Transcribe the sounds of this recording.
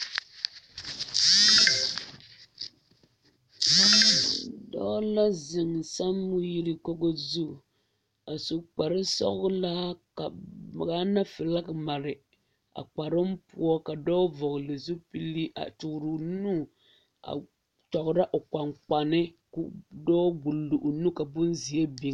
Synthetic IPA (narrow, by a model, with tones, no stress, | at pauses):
dɔ̰˦la˦zɪ˨ŋ˨sa˦mːu˦ji˦ɾi˦ko˦ɡo˦zu˦˨ | a˨su˨k͡pa˨ɾɪ˦sɔ̰˦ɣla˦ka˨m˨ɡa˦na˦fɨ˨la˦kma˨ɾɪ˨ | a̰˨k͡pa˨ɾɨ˦mpṵ˦ɔ˦ka˨dɔː˦vɔ˨ɣʊ˨lɨ˨zu˦pi˦li˦a̰˨tʊ˨kɾɨ˨nu˦ | a̰˨ | tɔ˨ɣʊ˨ɾa˦ʔo˨k͡pa˨ŋk͡pa˨nɪ˦ | kdɔː˦ɡu˨lːu˨ʔu˨nu˦ka˨bʊ˦nzi˨e˦bi˨˦